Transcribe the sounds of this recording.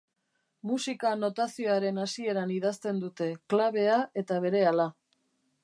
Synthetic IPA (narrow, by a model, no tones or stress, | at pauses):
musikano̞t̪asioaɾe̞nasie̞ɾaniðast̪e̞nd̪ut̪e̞klaβ̞e̞ae̞t̪aβ̞e̞ɾe̞ala